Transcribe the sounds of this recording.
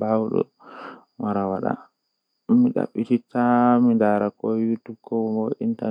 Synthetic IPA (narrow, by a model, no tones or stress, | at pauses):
bawɗɔ̰ | waɾawaɗa̰ | miɗa̰ɓːititamindaɾakɔjutːukɔwmɔinta